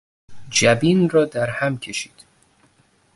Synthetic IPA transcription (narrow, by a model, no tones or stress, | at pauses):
d͡ʒæbiːnrɒːd̪æɾhæmcʲʰe̞ʃiːd̪̥